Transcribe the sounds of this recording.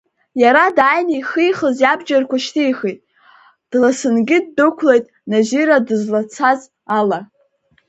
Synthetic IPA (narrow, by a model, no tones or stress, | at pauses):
jaɾadaːjnijχijχəzjabd͡ʒarkʷaʃtʰijχijtʼ | d̥lasɨnɡʲɪdːɨkʷʰlejtʼnaʒiɾadɨzlat͡sʰaz | ala